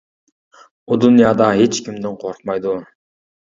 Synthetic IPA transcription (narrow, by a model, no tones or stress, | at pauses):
ud̪unijɑd̪ɑɦet͡ʃkimd̪iɴqʰoɾq̚mɑjd̪u